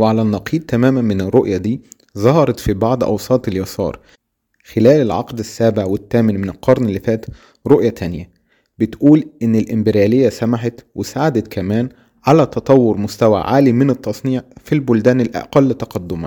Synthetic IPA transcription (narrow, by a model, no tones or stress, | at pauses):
weʕalænːɑqʰiːd̪̚t̪æmæːmænmɪnerːoʔjæd̪iː | zˤɑhɑɾˤɑt̪fibɑʕd̪ˤʔɑ̰wsˤɑːt̪ˤeljɑsɑ̰ːɾˤ | xelæːlelʕɑ̰qd̪ɪsːæːbeʕwet̪ːæːmɪnmɪnelqʰɑɾˤnelːifæːt̪ | ɾoʔjæt̪ʰænjæ | bɪt̪ʔuːlʔɪnːɪlʔɪmbɪɾjæːlejːæsæmaħɑt̪wesaʕad̪æt̪kʰæmæːn | ʕalæt̪ɑt̪ˤɑwːoɾmʊst̪æwæ̰ʕaːlimɪnet̪ˤːɑsˤniːʕfilbʊld̪æːnelʔæ̰qælːɪt̪ːɑqɑd̪ːʊmæ̰